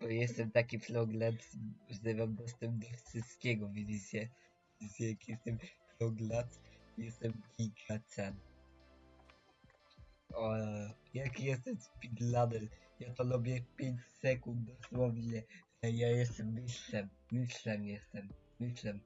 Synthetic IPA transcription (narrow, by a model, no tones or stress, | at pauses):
b̥ɔjɛst̪ɛmt̪akʲiplɔɡlat̪zɛvamd̪ɔst̪ɛmpd̪ɔfʂɨst̪kʲɛɡɔvʲizit͡sɛ | vizit͡sɛjakjɛst̪ɛmflɔɡlat̪jɛst̪ɛmɡʲiɡat͡sɛn | ɔjakjɛst̪ɛmspʲid̪lad̪ɛljat̪ɔlubʲjɛpʲjeɲt͡ɕsɛkund̪̚d̪ɔswɔvɲɛ | ɛjajɛsɛmɘɕlɛm | mɘɕlɛmjɛst̪ɛm | mɘɕlɛm